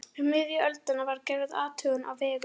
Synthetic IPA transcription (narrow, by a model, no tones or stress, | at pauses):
ɪmɪðjʏœlt̪ɪnːavaɾcɛːvɪða̰ːt̪ʰœːɣʏnʔa̰wvɛːɣʏ